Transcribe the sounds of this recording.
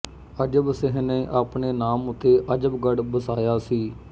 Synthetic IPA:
əd͡ʒəbsɪɦneʔaːpɳeːnaːmʊt̪ːeːʔəd͡ʒəbɡəɽbəsaːjaːsiː

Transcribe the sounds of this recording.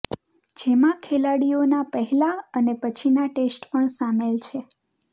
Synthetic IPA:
d͡ʒemãkʰelaɽionapəɦɛlaənepət͡ʃʰinaʈesʈpəɳsamelt͡ʃʰe

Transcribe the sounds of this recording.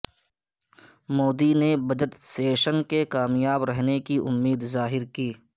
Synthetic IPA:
moːd̪inebɐd͡ʒət̪seːʃənkekaːmjaːbɾɛɦnekiʔʊ̰mːiːd̪zaːɦɪɾkiː

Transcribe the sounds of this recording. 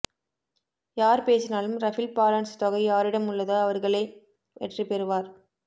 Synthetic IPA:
jaːɾpeːsɪnaːlɯmɾɐfɪlpaːlɐːɳst̪ɔɣɐjaːɾɪɽɐmʊɭːɐðaːɐʋɐɾɣɐɭeː | ɛʈripɛɾɯʋaːɾ

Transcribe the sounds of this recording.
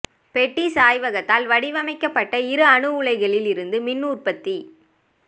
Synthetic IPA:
pɛʈːisaːjʋɐɣɐt̪ːaːlʋɐɽɪʋɐmɐɪkːɐpːɐʈːɐɪɾɯɐɳɯʋɯɭɐɪɣɐɭɪlɪɾɯnd̪ɯmɪnːuːrpɐt̪ːi

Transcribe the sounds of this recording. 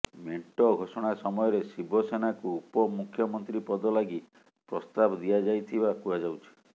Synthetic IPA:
meɳʈɔɡʱosɔɽ̃asɔmɔjɔɾesibɔsenakuupɔmukʰjɔmɔnt̪ɾipɔd̪ɔlaɡi | pɾɔst̪abd̪ijad͡ʒajt̪ʰibakuad͡ʒawt͡ʃʰi̥

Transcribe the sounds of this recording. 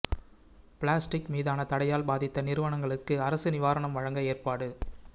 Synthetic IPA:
pɪɭaːsʈɪkmiːðaːnɐt̪ɐɽɐjaːlbaːðɪt̪ːɐnɪɾɯʋɐɳɐŋɡɐɭɯkːɯɐɾɐsɯnɪʋaːɾɐɳɐmʋɐɻɐŋɡɐeːrpaːɽɯ

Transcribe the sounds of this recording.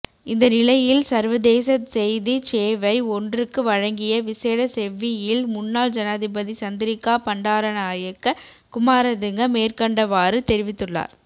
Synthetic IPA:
ɪnd̪ɐnɪlɐjɪlsɐɾʋɐðeːsɐsɛjðit͡ʃeːʋɐɪɔndrɯkːɯʋɐɻɐŋɡɪjɐʋɪseːɽɐsɛʋɪjɪlmʊnːaːld͡ʒɐnaːðɪbɐðit͡ʃɐnd̪ɪɾɪkːaːpɐɳɖaːɾɐnaːjɐkːɐ | kʊmaːɾɐðɯŋɡɐmeːrkɐɳɖɐʋaːɾɯt̪ɛɾɪʋɪt̪ːɯɭːa̰ːɾ

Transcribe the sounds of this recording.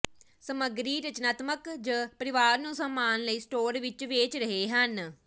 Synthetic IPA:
səməɡɾiːɾət͡ʃnaːt̪məkd͡ʒəpəɾɪʋaːɾnũːsəmːaːnləiːsʈoːɾʋɪt͡ʃʋeːt͡ʃɾəɦeːɦən

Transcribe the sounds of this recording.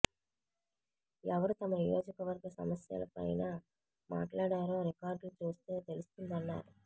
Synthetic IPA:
ɛʋɐɾut̪ɐmɐnijo̞ːd͡ʒɐkɐʋɐɾɡɐsɐ̰mɐsjɐ̰lɐ̰pɐ̰jnaː | ma̰ːʈlaːɽaːɾo̞ːɾikaːɾɖlut͡ʃuːst̪e̞ːt̪e̞lust̪und̪ɐnːa̰ːɾu

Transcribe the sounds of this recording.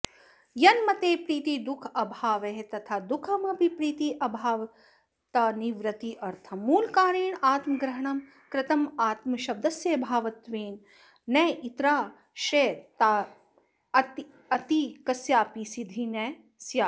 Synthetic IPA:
jɐnmɐt̪eːpɾiːt̪id̪ukʰɐbʱaːʋeɦt̪ɐt̪ʰaːd̪ukʰɐmɐbʱipɾiːt̪iʔɐbʱaːʋɐ | t̪ɐniʋɾɐt̪iʔɐɾt̪ʰɐmuːlkaːɾeːɳaːt̪mɐɡɾɐɦɐɳɐm | kɾɪt̪ɐmaːt̪mɐʃɐb̚d̪ɐsjeːbʱaːʋɐt̪ʋeːnː | ɐːʔit̪ɾaː | ʃɾeːt̪aː | ɐt̪i | ɐt̪ikɐsjaːpisid̪ʱine | sjaː

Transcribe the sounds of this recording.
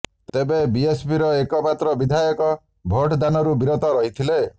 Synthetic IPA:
t̪ebebiespiɾɔekɔmat̪ɾɔbid̪ʱajɔkɔ | bʱoʈd̪anɔɾubiɾɔt̪ɔɾɔɦit̪ʰile

